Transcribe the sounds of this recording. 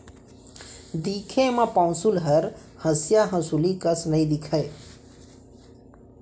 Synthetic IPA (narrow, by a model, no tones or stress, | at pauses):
d̪ikʰemãpãʊ̃sulɦəɾ | həsjaɦə̃sulikəsnəĩd̪ikʰəj